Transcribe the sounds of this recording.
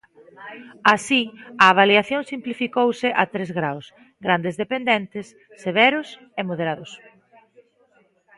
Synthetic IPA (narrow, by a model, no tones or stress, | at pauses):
asiaːβ̞aljiaθjoŋsimplifikowsɪʔat̪ɾezɣɾaws | ɡɾand̪ezðepend̪ɛnt̪ɪsː | eβɛɾʊs | emoðeɾaðʊs